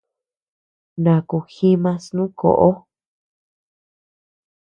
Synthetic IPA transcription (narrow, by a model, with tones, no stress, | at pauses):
nã˨ku˨xi˦mã˧snũ˦ko̰˨ʔo˦